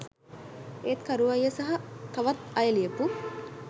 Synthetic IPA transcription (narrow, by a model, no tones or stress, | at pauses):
eːt̪kɐɾuʋɐjːəsɐɦɐt̪ɐʋɐt̪ɐjəliəpu